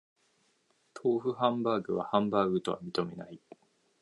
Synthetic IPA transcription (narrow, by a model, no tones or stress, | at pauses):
t̪ʰo̞ːɸɯ̟hãmbaːɡɯ̟βa̰hãmbaːɡɯ̟t̪o̞βa̰mʲit̪o̞me̞nai